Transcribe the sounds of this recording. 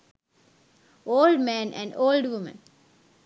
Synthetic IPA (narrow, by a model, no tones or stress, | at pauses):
oːlɖmæ̃ːnʔæ̰̃ɳɖoːlɖʋʊmə̰̃n